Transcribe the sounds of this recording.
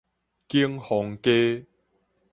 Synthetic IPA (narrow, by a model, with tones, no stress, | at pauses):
kiː˥ŋhɔː˨˧ŋkeː˥